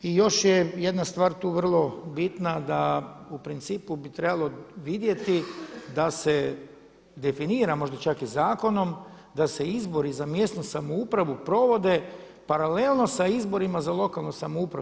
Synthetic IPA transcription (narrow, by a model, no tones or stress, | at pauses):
ijo̞ʃjejed̪nast̪ʋaːɾt̪uːʋr̩lˠo̞bit̪nad̪aupɾint̪siːpubit̪ɾe̞balˠo̞ʋid̪je̞t̪id̪ase̞ | d̪e̞finiːɾamo̞ʒd̪at͡ʃakizaːko̞no̞m | d̪ase̞izbo̞ɾizamje̞st̪nusamoupɾaʋupɾo̞ʋo̞d̪e̞ | paɾalelˠno̞saizbo̞ɾimazalˠo̞kalˠnusamoupɾa̰